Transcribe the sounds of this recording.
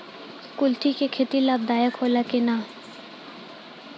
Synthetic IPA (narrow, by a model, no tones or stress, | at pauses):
kʊlt̪ʰikekʰet̪ilab̚d̪aːjəkʰoːlakenaː